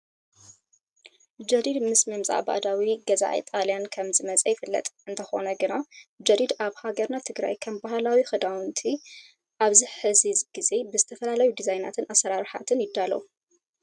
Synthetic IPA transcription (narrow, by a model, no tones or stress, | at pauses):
d͡ʒɐɾid̪mɨsmɨmzʼa̰ʔba̰d̪awiɡɐza̰ʕḭt̪ʼalijankʰɐmzɨmɐt͡sʼɐjɪfɨlːɐ̰t̪ʼɨnt̪ʰɐxo̞̰nɐɡɨnad͡ʒɐɾid̪aβhaɡɐɾnat̪ʰɨɡɾa̰jkʰɐmbahlawixɨd̪awɨnt̪ʰi | ʔaβziħɨzizɡ̥ize̞bɨzɨt̪ʰɐfɐlalɐjud̪izajna̰t̪ʰɨnʔasɐɾaɾħa̰t̪ʰɨnjɪd̪ːalɐ̰u